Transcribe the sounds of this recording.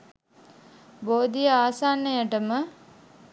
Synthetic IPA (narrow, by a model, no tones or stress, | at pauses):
boːd̪ijəaːsaːnːəjəʈəmə